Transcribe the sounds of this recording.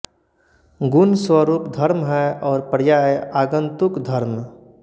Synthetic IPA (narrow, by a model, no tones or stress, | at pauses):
ɡʊnswaɾuːpd̪ʱɐɾmɦɛɔːɾpəɾjaːeaːɡə̃nt̪ʊkd̪ʱɐɾm